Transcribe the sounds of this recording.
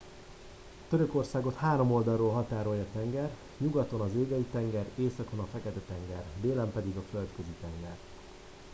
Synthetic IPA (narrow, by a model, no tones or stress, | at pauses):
t̪øɾø̞ko̞rsaːɡo̞t̪haːɾo̞mo̞ld̪ɒlroːlɦɒt̪aːɾo̞jɒt̪ɛŋɡɛr | ɲuɡɒt̪o̞nɒzeːɡɛjit̪ɛŋɡɛɾeːsɒko̞nɒfɛkɛt̪ɛt̪ɛŋɡɛrd̪eːlɛmpɛd̪iɡɒfø̞lt̪køzit̪ɛŋɡɛr